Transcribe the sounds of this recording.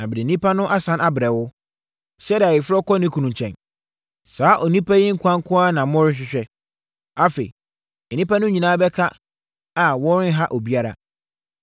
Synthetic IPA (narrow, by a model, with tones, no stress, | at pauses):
nã˨bɪ˨dɪ˨nĩ˦pʰa˦nʊ̃˦ʔa˦sã˦nʔa˦bɪ˨ɾɛ˨wʊ˦ | sɛ˦da˨ɪ˨fʊ˦ɔ˦kɔ˦nɪ̃˦kʰu˨nũ˨ɲ˨t͡ɕʰɛ̰̃˨n | saː˨˦ʔɔ˨nĩ˦pʰa˦jɪ˦ŋ̩˦kʰʷã˦ŋ˦kʰʊ̃˦a˦nã˨mʊ̃˦ɾɪ̃˦ɕ̬ᶣɪ˦ɕᶣɛ˦ | a˦fḛ˨ḭ˨ | nĩ˦pa˦nʊ̃˦ɲĩ˨nãː˦bɛ˦kʰa˦ | a˨wɔ˦ɾɪ̃˦n˦ɦa˦ʔɔ˨bi˦a˦ɾa̰˨